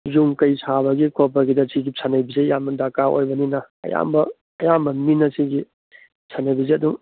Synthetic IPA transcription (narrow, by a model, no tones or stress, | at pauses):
juŋkɐjsʰaβɐɡikʰopːaɡidɐsʰiɡipsʰanɐjbizejamɐdakao̰jbɐninɐɐ̰ja̰mbɐː | jambɐminɐsiɡi | sʰanajbizeɐduŋ